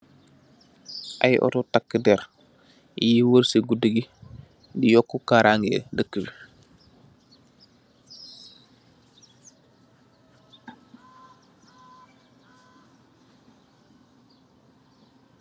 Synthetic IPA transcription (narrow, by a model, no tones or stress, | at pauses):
ʔa̰jʔɔ̰totakːədɛɾ | jiwəɾsiɡudəɡi | dijɔkːukaɾʔaŋɡḛdəkːəbi